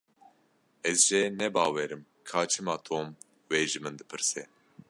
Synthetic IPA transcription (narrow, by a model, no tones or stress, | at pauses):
ɛzʒɛnɛbɑːwɛɾɨm | kʰaːt͡ʃʰɨmɑːt̪ʰoːm | weːʒɨmɨnd̪ɨpʰɨɾsɛ